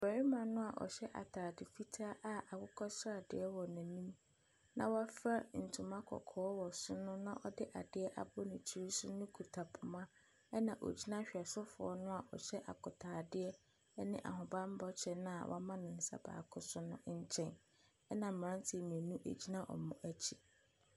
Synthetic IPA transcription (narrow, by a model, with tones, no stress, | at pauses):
bæ˨ɾi˦mã˨nʊ̃˦a˨ʔɔ̰˨ɕɛ˦ʔa̰˨tʰaː˨dɪ˨fi˦tʰaː˦ʔa˨ʔa˨kʊ˦kʰɔ˦sa˦˨dɪ̰˨ɛ˦wɔ˨nã˨nĩ˦m | nã̰˦wa˦fa˦n̩˨tʰu˨mã˦kʰɔ̰˨kʰɔː˨˦wɔ˨sʊ˦nʊ̃˦nã˦ʔɔ˦dɪ˦ʔa˨dɪ˦ɛ˦ʔa̰˦bɔ˦nʊ̃˨t͡ɕʰi˦ɾi˦sʊ˦nʊ̃˦kʰu˨tʰa˨pʰʊ˨mã˦ | ɛ˦nã˨ʔo̰˨d͡ʑi˦nã˦ɕᶣɛ˨sɔ˦fʊ̰˨ɔ˦nʊ̃˦a˨ʔɔ̰˨ɕɛ˦ʔa̰˨kʰʊ˨tʰaː˨dɪ˦ɛ˦ | ɛ˦nɪ̃˦ʔa̰˨ɦʊ̃˨bã˦m̩˦bɔ˦t͡ɕʰɛ˨nã˦a̰˨wʔa̰˦mã˦nɪ̃˨n̩˨sa̰˦ba̰ː˨kʰʊ˦sʊ˦nʊ̃˦ɲ̩˦t͡ɕʰɛ̃˦n | ɛ˦nã˨m̩˨ã˦n˦tʰi˨mĩ˨ɛ˨nũ˦ʔḛ˨d͡ʑi˦nã˦ʔɔ̰˨mʊ̃˦ʔæ˦t͡ɕʰi˨